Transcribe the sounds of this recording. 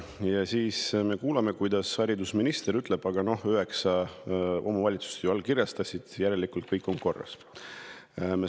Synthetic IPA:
jɑsiːsme̞kuːlɑme̞kujd̪̥ɑshɑɾʲid̪usminist̪eɾyt̪ːˑle̞b̥ɑɡ̥ɑno̞hyɦe̞ksɑʔo̞̰mɑvɑlʲit̪su̥st̪juɑlkiɾjɑst̪ɑsʲid̪̥jæɾe̞likːˑult̪̚kɤjkːˑo̞ŋko̞rːɑ̰s | me

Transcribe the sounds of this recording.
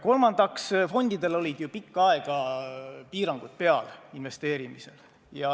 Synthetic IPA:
ko̞lmɑnd̪̥ɑksfo̞nʲd̪̥id̪̥e̞lo̞lʲid̪̥jupikˑːɑe̞ɡ̥ɑpiːɾɑŋɡ̥ud̪̥̚pe̞ɑlinve̞st̪e̞ːɾimise̞l | jɑ

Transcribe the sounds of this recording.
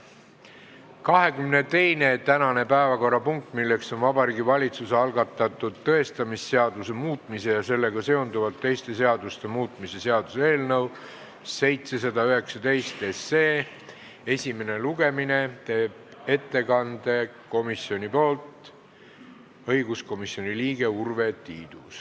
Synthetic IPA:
kɑɦe̞kymne̞t̪e̞jne̞t̪ænɑne̞pæevɑko̞rːɑpuŋk̚t̪milːe̞kso̞nvɑbɑɾiːɡivɑlʲit̪suseɑlɡɑt̪ːˑɑt̪ːˑud̪̥t̪ɤ̞e̞st̪ɑmisːe̞ɑd̪̥use̞muːt̪ˑmise̞jɑse̞lːe̞ɡ̥ɑse̞o̞nd̪uvɑlt̪ːejst̪e̞se̞ɑd̪̥ust̪e̞muːt̪ˑmise̞se̞ɑd̪̥usee̞ːlnɤw | se̞jt̪se̞s̬ɑd̪ɑyɦe̞ksɑt̪e̞jst̪esːeː | e̞sʲime̞ne̞luɡ̥e̞mine̞t̪e̞ːb̥̚e̞t̪ːe̞kɑnd̪̥e̞ko̞misio̞nʲipo̞ːlt̪ | ɤjɡ̥usko̞misjo̞nʲiliːɡ̥e̞urve̞t̪iːd̪̥us

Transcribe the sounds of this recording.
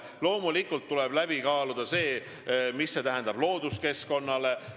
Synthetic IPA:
lo̞ːmulikːult̪ːulɛb̥læb̥ikɑːlud̪̥ɑse̞ː | misːe̞t̪æɦɛnd̪̥ɑb̥lo̞ːd̪uske̞sko̞nːɑle̞

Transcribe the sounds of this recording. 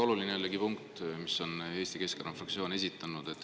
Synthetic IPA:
o̞lulineælːeɡipuŋkt̪miso̞ne̞ːst̪ike̞skeɾɑmfrɑkt̪sio̞ːne̞sʲit̪ˑːɑnːud̪̥e̞t̪ːˑ

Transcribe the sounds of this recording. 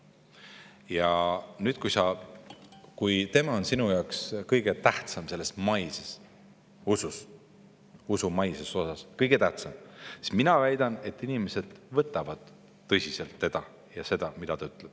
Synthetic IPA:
jɑnyːd̪̥̚kujsɑ | kujt̪e̞mɑo̞nsinujɑwkskɤjɡ̥e̞t̪æht̪sɑmse̞lːe̞smɑjses | usus | usumɑjseso̞sɑskɤjɡ̥e̞t̪æht̪sɑmsi̥sminɑvæjd̪̥ɑne̞t̪ːˑinimese̞d̪̥vɤt̪ːˑɑvɑd̪̥ː | ɤsʲise̞lt̪ːe̞d̪̥ɑ | jɑse̞d̪̥ɑmid̪ɑt̪ɑyt̪ˑleb̥

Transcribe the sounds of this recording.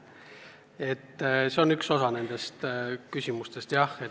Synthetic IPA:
e̞t̪ːse̞o̞nykso̞sɑne̞nd̪̥e̞st̪kysʲimust̪e̞st̪jɑhe

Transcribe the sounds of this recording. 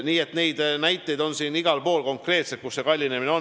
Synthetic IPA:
niːe̞t̪ne̞jd̪næjt̪ːˑejd̪o̞nsiːniɡ̥ɑlpo̞ːlko̞ŋkre̞ːt̪set̪̚kusːe̞kɑlʲːine̞mineo̞n

